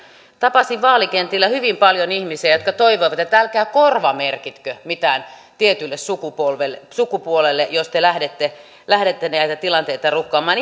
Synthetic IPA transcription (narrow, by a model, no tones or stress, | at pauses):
t̪ɑpɑsiʋʋɑːlikent̪ilːæhyʋimpɑljonihmiseæjot̪kɑt̪oiʋoiʋɑt̪jɑt̪ælkæːkorʋɑmerkit̪kømit̪æːnt̪iet̪ylːessukupolʋelːsukupuolelːejost̪elæhdet̪ːe | læhɾet̪ːeniæit̪æt̪ilɑnt̪eit̪ɑrukːŏɑːmːˑɑːn